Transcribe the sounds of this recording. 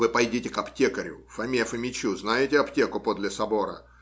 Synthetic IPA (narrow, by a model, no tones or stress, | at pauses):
vɨpɐjdʲitʲɪkɐptʲekəɾʲʊ̰fɐmʲefɨmʲɪt͡ɕuznajɪtʲɪɐptʲe̞kʊpod̪lʲɪsɐbo̞ɾə̰